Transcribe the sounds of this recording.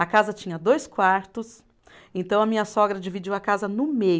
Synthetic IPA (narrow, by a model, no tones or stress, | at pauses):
ɐkazɐt͡ʃĩɲɐd̪ojskwaɾt̪ʊs | ẽnt̪ɐ̃w̃ɐmĩɲɐsɔɡɾɐd͡ʒivid͡ʒiwɐkazɐnʊmej